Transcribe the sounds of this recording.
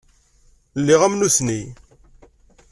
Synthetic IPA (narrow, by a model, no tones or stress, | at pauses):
lːiʁæmnusni